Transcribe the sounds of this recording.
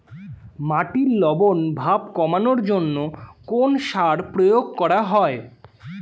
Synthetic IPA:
maʈiɾlɔbonbʱabkɔmanoɾd͡ʑonːokonʃaɾpɾojoɡ̚kɔɾaɦɔe

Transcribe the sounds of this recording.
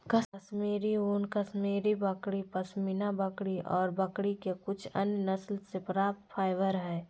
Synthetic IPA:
kəɐsmeːɾioːnkəsmeːɾibəkɽipɐsminabəkɽiʔɔːɾbɐkɽikekʊt͡ʃʰɐ̰njnəslsepɾaːp̚t̪fʰaːɪʋəɾɦɛː

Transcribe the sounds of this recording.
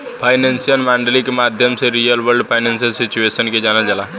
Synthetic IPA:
pʰaːjnẽnsijənmaːɳɖəlikemaːd̪ʱjəmseɾijəlʋəɾɖpʰaɪnẽnsəlsit͡ʃueːsənked͡ʒaːnad͡ʒalaː

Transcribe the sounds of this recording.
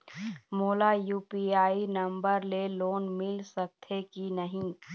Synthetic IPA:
moːlajuːpiaːinɐ̃mbəɾleloːnmɪlsəkt̪ʰekinəɦĩː

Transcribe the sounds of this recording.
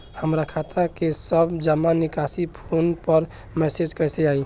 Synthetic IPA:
həmɾakʰat̪ʰakesəbd͡ʒəmːanikasipʰonpəɾ | mɛsed͡ʒkəjseai

